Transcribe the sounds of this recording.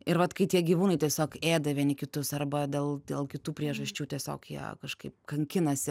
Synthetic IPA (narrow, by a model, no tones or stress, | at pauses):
ɪɾʋɐt̪kɐɪtʲiɛɡʲiːʋuːnɐɪt̪ʲiɛsʲoːkeːd̪ɐʋʲiɛnʲɪkʲɪt̪ʊsɐrbɐd̪ʲeːlˠd̪ʲeːlˠkʲɪt̪uːpʲɾʲiɛʒɐsʲt͡ʃʲuːt̪ʲiɛsʲo̰ːkjiɛ̰kɐʃkɐɪp̚kɐŋʲkʲɪnɐsʲɪ